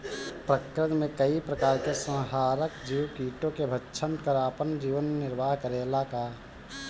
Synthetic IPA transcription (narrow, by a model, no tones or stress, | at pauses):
pɾəkɾɪt̪mẽkəipɾəkaːɾkesə̃ɦaːɾəkd͡ʒiwkiːʈõkebʱətːʃʰənkəɾaːpənd͡ʒiːʋənːɪɾʋaːɦkəɾelaka